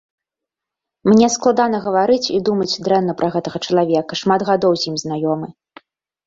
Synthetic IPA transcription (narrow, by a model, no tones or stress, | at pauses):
mnʲɛsklˠad̪anɐɣɐvaɾɨt͡sʲid̪umɐt͡sʲd̪ɾɛnnɐpɾʔɐɣɛt̪ɐɣɐt͡ʂɐlˠavʲɛkɐʂmad̪ɣad̪ɔwzʲjimznajɔmɨ